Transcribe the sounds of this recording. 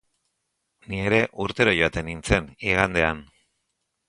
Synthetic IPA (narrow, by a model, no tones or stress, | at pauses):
nie̞ɾe̞ʔuɾt̪e̞ɾojo̞at̪e̞nint͡se̞niɣ̞and̪e̞an